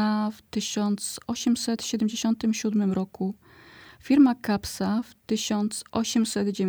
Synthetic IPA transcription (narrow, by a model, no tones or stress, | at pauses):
aft̪ɘɕɔnt̪sɔɕɛmsɛt̪ɕɛd̪ɛmd͡ʑeɕɔnt̪ɘmɕud̪mɘmɾɔku | fʲiɾmakapsaft̪ɘɕɔnt̪sʔɔɕɛmsɛd̪d͡ʑevʲ